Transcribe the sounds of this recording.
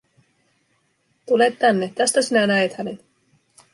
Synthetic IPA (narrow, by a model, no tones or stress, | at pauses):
t̪ulet̪ːænːet̪æst̪æsinænæet̪hænet̪